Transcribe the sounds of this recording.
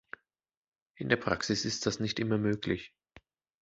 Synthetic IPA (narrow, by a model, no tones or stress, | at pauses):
ʔɪndeːɐpʁ̥aksɪsɪst̚d̥asnɪçtʔɪmɐmøːklɪç